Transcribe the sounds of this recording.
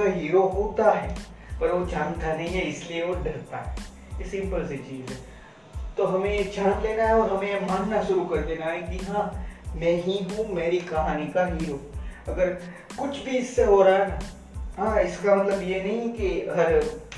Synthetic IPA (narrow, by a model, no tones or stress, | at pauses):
aɦiːɾokũːt̪aɦɛː | pɐɾʋot͡ʃʰãːnt̪ʰanɐɦĩɦɛɪslieoɖɐɾt̪aɦɛː | sɪ̃mpəlset͡ʃiːzɛ | t̪oɦɐmẽd͡ʒʰãːnleːnaɦɛɔːɾɦɐmẽmaːnːaʃʊɾukɐɾd̪eːnaɦɛ̃kiɦãːmɛ̃ːɦĩɦũmeːɾikɐɦaːnikaɦiːɾoɐɡəɾ | kʊt͡ʃʰbʱiɪsːeɦoːɾaɦɛna | ɦãːɪskamɐt̪ləbjenɐɦĩkeɦɐɾ